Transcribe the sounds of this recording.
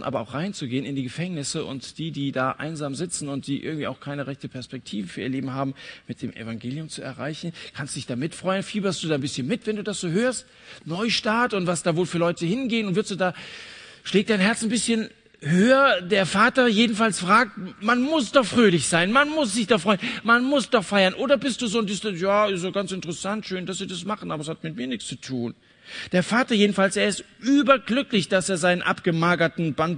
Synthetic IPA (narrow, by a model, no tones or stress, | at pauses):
nʔa̰ːbɐʔa̰ʊxʁ̥aɪnt͡suɡeːənɪndiːɡəfɛŋnɪsəʔʊ̰ntd̥iːdiːdaːʔa̰ɪnzaːmzɪt͡sn̩ʊnt̚d̥iːʔɪ̰ɐɡŋ̩tv̥iːaʊxkʰaɪnəʁɛçtəpʰɛɐspɛk̚tʰiːvəfyːɐiːɐleːbm̩haːbm̩mɪt̚d̥eːmʔɛ̰faŋɡeːljʊmt͡suɛ̰ɐʁaɪçn̩kʰanstːu̥d̥ɪçd̥aːmɪtfʁ̥ɔʏənfiːbɐstd̥uːdaːnbɪsçənmɪtvɛnduːdasz̥oːhøːɐst | nɔʏʃtaːtʊntv̥asd̥aːvoːlfyːɐlɔʏtəhɪnɡeːənʊntv̥ɪɐstz̥uːdaː | ʃlɛːk̚d̥aɪnɦɛɐt͡sanbɪsçən | høːɐdeːɐfaːtɐjeːdn̩falsfʁ̥aːk̚tmanmʊsd̥ɔχfʁ̥øːlɪçz̥aɪnmanmʊsz̥ɪçd̥afʁɔʏənmanmʊsd̥ɔχfaɪɐnʔoːdɐbɪst̚d̥uːzoːndɪsjaːɪsoɡ̥ansɪntəʁəsantʃøːnd̥asz̥iːdasmaχən̩ʔaːbɐɛshatmɪt̚miːɐnɪkst͡su̥tʰuːn | d̥eːɐfaːtɐjeːdn̩falseːɐɪstʔyːbɐɡlʏklɪçd̥aseːɐzaɪnənʔa̰pɡ̥əmaːɡɐtn̩bant